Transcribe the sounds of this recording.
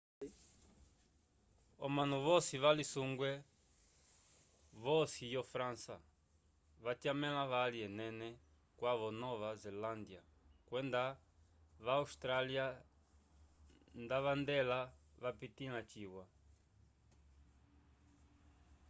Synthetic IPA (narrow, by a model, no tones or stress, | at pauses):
ɔmanuβɔsiβalisuŋɡwɛ | βɔsijɔfɾansa̰ | βat̪jamɛlaβaliɛnɛnɛ | kwaβɔnɔβazɛland̪ja | kwɛnd̪a | βaust̪ɾalja | nd̪aβand̪ɛlaβapit̪ilat͡ʃiwwa